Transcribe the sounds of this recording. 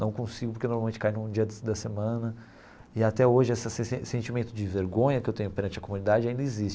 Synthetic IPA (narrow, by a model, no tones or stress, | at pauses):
nɐ̃w̃kõsiɡʊpoɾkenoɾmawmẽnt͡ʃɪ̥kajnũd͡ʒiɐd̪ɐsemɐ̃nɐ | ɪat̪ɛoʒɪɛsɐsesesẽnt͡ʃimẽnt̪ʊd͡ʒɪveɾɡõɲɐkɪewt̪ẽɲʊpeɾɐ̃nt͡ʃɪɐkomũnid̪ad͡ʒɪaĩd̪ɐɪzist͡ʃ